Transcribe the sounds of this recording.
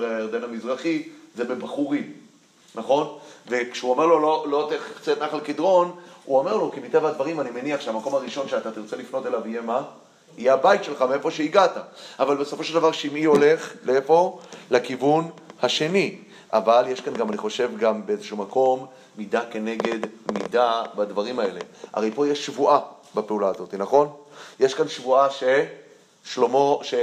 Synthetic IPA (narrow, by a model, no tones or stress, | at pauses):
eeʁd̪enhamizʁaχizebebaχuʁim | naχo̞nvekʃeuame̞ʁlo̞lolo̞t̪eχt͡set̪naχalekid̪ʁo̞nuome̞ʁlo̞kimit̪e̞vaad̪vaʁimanime̞niaχʃeamako̞maʁiʃo̞nʃeat̪at̪iʁt͡se̞lifno̞t̪e̞lavijema | ijeabajit̪ʃe̞lχameefo̞ʃeiɡat̪aavalbeso̞fo̞ʃeld̪avaʁʃeimio̞le̞χleefo̞lekivunhaʃe̞ni | ʔavalje̞ʃkanɡamaniχo̞ʃe̞vɡambeezeʃumako̞mː | id̪ake̞ne̞ɡe̞d̪mḭdabad̪vaʁ̞imae̞le̞ʔa̰ʁe̞jpo̞ijeʃːvuʔabapeulaːzo̞t̪inaχo̞njeʃkanʃvuaʃe | ʃlomoʃe